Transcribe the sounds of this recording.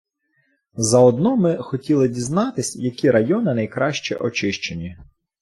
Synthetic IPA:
zɐɔd̪nɔmɪxɔtʲilˠɪdʲiznɑt̪ɪsʲjɐkʲiɾɐjɔnɪnɐjkɾɑʃt͡ʃɛ̰ʔɔt͡ʃɪʃt͡ʃenʲi

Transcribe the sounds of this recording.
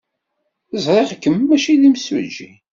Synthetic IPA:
əzˤɾˤeʁkːəmːæʃiðimswə̰d͡ʒḭ

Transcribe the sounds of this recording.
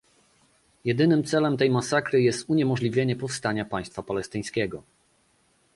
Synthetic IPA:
jɛd̪ɘnɘmt̪sɛlɛmt̪ɛjmasakɾɘjɛst̪uɲɛmɔʐlʲivʲjeɲɛpɔfst̪aɲapaj̃st̪fapalɛst̪ɘj̃skʲɛɡɔ

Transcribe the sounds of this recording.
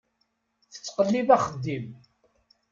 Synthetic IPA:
θə̥t͡sːqəlːivæχəd̪ːim

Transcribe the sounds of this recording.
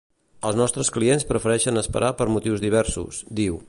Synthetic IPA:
əlˠznɔst̪ɾəsklienspɾəfəɾɛʃənəspə̰ɾʔapəɾmut̪iwzðiβ̞ɛɾsṵsd̪iw

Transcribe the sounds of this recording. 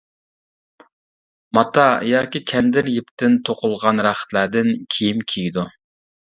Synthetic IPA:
mɑt̪ʰɑjɑːkʲikʲʰɛnd̪ɪɾjɪp̚t̪ɪnt̪ʰoqʊlˠʁɑnɾɑχə̥t̪læɾd̪ɪnkʲʰijimkʲʰijid̪u

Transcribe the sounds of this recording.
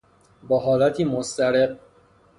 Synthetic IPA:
bɒːɦɒːlæt̪ʰiːmost̪æɾeq̚

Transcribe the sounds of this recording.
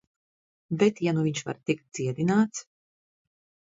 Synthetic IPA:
bɛt̪januviɲʃva̰ɾt̪ik̚t̪̚d̪ziɛd̪inaːt̪s

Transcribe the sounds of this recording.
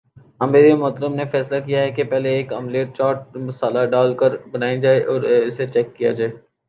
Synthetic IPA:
ɐmeːɾiamɔɦt̪əɾəmnefɛːslakijaɦɛkepɛɦleːkɐmleːʈ̚t͡ʃaːʈ̚mɐsaːlaɖaːlkəɾbɐnaːid͡ʒaːeʔɔːɾɪset͡ʃɛːkːija̰d͡ʒaːeː

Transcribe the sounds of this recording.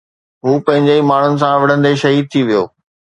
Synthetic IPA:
ɦuːpɐ̃ɦɪ̃ɲd͡ʑeimaːɳ̤ʊnɪ̆s̬ãʋɪɽ̤ə̃nd̪eʃɐɦiːd̪̚t̪ʰiʋijo̰ː

